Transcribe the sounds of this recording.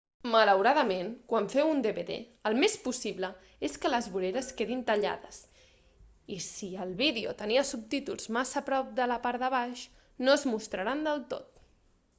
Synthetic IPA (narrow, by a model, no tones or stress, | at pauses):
mələwɾaðəmenkwaɱfɛwund̪eβeðḛːlˠmespusiβlə | eskələzβuɾeɾəskeðint̪əʎa̰ðəs | isiəlˠβiðeṵt̪əniəsup̚t̪it̪ṵlˠzmazəpɾɔp̚d̪ələpaɾðəβ̞aʃ | noəzmust̪ɾəɾand̪əlˠt̪o̰t̪